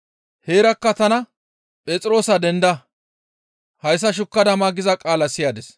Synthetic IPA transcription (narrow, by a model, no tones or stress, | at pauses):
heːɾɐkːɐt̪ɐnɐ | pʼɛːt͡sʼɪɾo̞ːsɐd̪ɛnd̪ɐ | hɐjs̬ːɐʃ̬ʊkːɐd̪ɐmaːɡɪzɐkʼaːlɐsɪjaːd̪ɛs